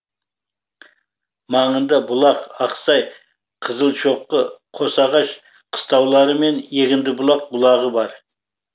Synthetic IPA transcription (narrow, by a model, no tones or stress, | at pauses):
mɑɴənd̪ɑbʊlˠɑqɑqsɑj | qʰəzəlˠʃo̞qːəqʰo̞sɑʁɑʃ | qʰə̥st̪ɑwlˠɑɾəme̞njeɡʲɪnd̪ɪbʊlˠɑq̚bʊlˠɑʁəbɑɾ